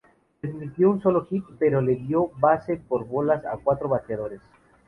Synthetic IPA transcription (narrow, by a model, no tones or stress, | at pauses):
dezmit̪jounso̞loxit̪̚pe̞ɾo̞le̞ðjo̞base̞po̞ɾβo̞lasa̰kwat̪ɾoβataðo̞ɾes